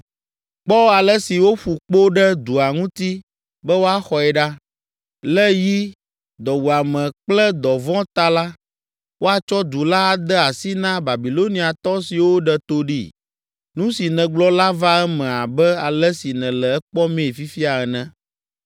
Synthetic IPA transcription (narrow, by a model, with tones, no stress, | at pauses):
k͡pɔ˦a˨lɛ˦si˨wo˦ɸu˨k͡po˦ɖɛ˦d̪u˨a˨ŋũ˦t̪i˦ | bɛ˦wo˦a˦xɔ˨ɛ˨ɖa˦ | lɛ˦ji˦ | d̪ɔ˨wu˨a˨mɛ̃˨k͡plɛ˦d̪ɔ˨vɔ̃˦t̪a˦la˦ | wo˦a˨t͡ʃɔ˦d̪u˨la˦˨d̪ɛ˦a˨si˦nã˦ba˨bi˨lo˦nĩ˦a˨t̪ɔ˦si˨wo˦ɖɛ˨t̪o˦ɖḭ˦˨ | nũ˦si˨nɛ̃˨ɡ͡blɔ˦la˦va˦ɛ˦mɛ̃˨a˨bɛ˦a˨lɛ˦si˨nɛ̃˨lɛ˨ɛ˦k͡pɔ˦mẽ˦˨fi˦fi˦a˨ɛ˨nɛ̃˨